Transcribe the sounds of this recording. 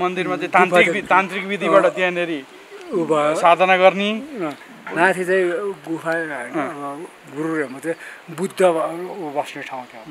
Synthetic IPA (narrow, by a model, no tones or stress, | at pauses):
mʌnd̪irmat͡saĩt̪antpikit̪ãnt̪rikbid̪ʱibaʈʌt̪jãneɾi | usad̪ʱʌnaɡʌrni | mãt̪ʰit͡saĩɡupʰãːbʌ | ɡuɾuɾemat͡saĩbud̪ʱːʌbʌsneʈʰaw̃t̪ʰja